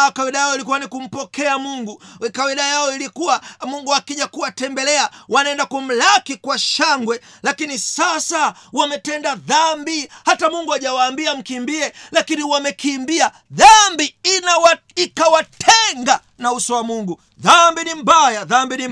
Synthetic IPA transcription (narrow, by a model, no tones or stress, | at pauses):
kawiɗajajɔilik̬uwanikum̩pɔkɛamuŋɡukawiɗajaɔilikuwamuŋɡuakiʄakuwatɛmbɛlɛawanaɛndakum̩lakikwaʃaŋɡwɛlakinisasawamɛtɛndaðambihatamuŋɡuaʄawaːmbiam̩kimbiɛlakiniwamɛkimbia | ðambiinawa | ikawatʰɛŋɡa | nausɔwamuŋɡu | ðambinim̩bajaðambini